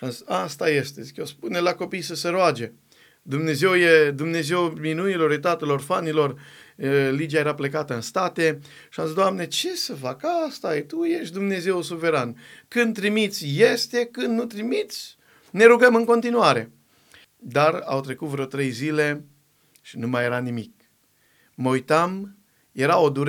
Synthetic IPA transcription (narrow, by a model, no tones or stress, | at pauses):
ʃiamziast̪aje̞st̪ezikespunelako̞pijsəseɾoad͡ʒe̞ | d̪umne̞ze̞wjed̪umne̞ze̞wminunilo̞ɾjet̪at̪əlo̞rfanilo̞r | lid͡ʒiajeɾaple̞k̬at̪əɨnst̪at̪e | ʃiamzizd̪oamne̞t͡ʃe̞səfakast̪ajt̪ujeʃt̪d̪umne̞ze̞wusuve̞ɾankɨnd̪̚t̪ɾimit̪sʲje̞st̪e̞kɨnd̪nut̪ɾimit̪sʲ | ne̞ɾuɡəmɨŋko̞nt̪inuaɾe | d̪ara̰wt̪ɾe̞kut̪vɾot̪ɾe̞jzile̞ | ʃinumaje̞ɾanimik̚ | mojt̪am | je̞ɾao̞d̪uɾ